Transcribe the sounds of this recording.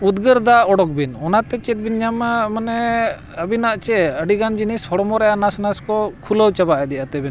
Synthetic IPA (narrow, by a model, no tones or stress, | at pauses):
ud̪ɡəɾd̪aɔɽɔk̚binɔnat̪ɛt͡ʃɛt̪̚binɲammanɛ | əbinaʔt͡ʃɛəɖiɡand͡ʒinishɔɽɔmɔɾɛʔanasnaskɔkʰuləwt͡ʃabaʔɛd̪ɛʔat̪ɛbɛn